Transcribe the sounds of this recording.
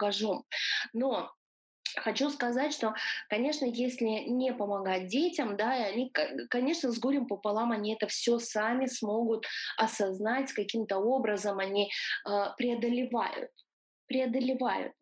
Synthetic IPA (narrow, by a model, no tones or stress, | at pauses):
kɐʐomno̞ | xɐt͡ɕuskɐzatʲʂt̪okɐnʲe̞ʂnəjesʲlʲɪnʲepəmɐɡat̚ʲdʲetʲɪmd̪aiɐnʲikkɐnʲe̞ʂnəzɡuɾʲɪmpəpɐlˠamɐnʲiɛt̪əfsʲosamʲɪsmo̞ɡʊt̪ɐsɐznatʲkɐkʲimt̪əo̞bɾəzəmɐnʲiəpɾʲɪɐd̪əlʲɪva̰jʊ̰t̪̚ | pɾʲɪɐd̪əlʲɪva̰jʊ̰t̪̚